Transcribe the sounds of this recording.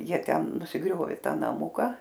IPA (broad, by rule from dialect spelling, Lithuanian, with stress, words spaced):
ˈjiɛ ˈtʲɛn nʊsʲɪˈɡrʲoːʋʲeː ˈtɑː nɐˈmʊkɐ